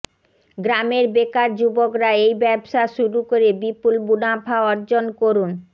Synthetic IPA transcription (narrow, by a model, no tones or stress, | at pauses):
ɡɾameɾbekaɾd͡ʑubokɾaejbɛbʃaʃuɾukoɾebipulbunabʱaɔɾd͡ʑonkoɾun